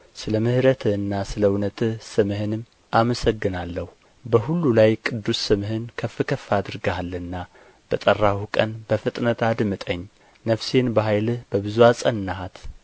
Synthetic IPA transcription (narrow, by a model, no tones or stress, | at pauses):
sɨləmɨhɾət̪ʰɨɨnːasɨləwunət̪ʰɨhsɨmɨhɨnɨm | ʔaməsəɡːɨnalːəhu | bəɦulːulajkʼɨd̪ːusːɨmɨhɨnkʰəfːɨkʰəfːad̪ɨɾɡaalːɨnːa | b̥ət̪ʼərːahukʼənbəfɨt̪ʼnət̪ad̪mɨt̪ʼəɲː | nəfse̞nbəɦajlɨhbəbɨzuasʼənːaɦat̪